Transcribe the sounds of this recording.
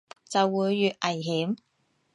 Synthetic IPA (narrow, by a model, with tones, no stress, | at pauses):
t͡sɐ˨wːuː˨˧jːyː˨t̚ʔɐ˨˩jɦiː˨˥m